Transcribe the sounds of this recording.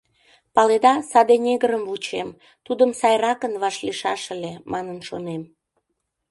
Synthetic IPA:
pɑled̪ɑsɑd̪enʲeɣəɾəmvut͡ɕem | t̪ud̪əmsɑjrɑkənβɑʃliʃɑʃəlemɑnənʃonem

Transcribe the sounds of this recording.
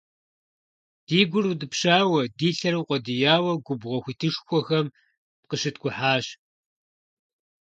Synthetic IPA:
d̥iːɡʷʊrudɨpɕaːwɐdiːɬɐɾɨwqʷʼɔdɨjaːwɐɡʷʊbʁɐxʷiːtʰɨʂxʷɔxɐm | p̚qəʃɨtʰɡʷʼʊħaːɕ

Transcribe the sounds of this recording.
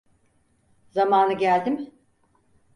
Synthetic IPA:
zamaːnɯɟælʲd̪im

